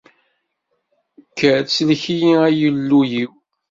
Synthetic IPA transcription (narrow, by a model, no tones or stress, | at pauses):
kːət͡sːlçijiæjəlːujiw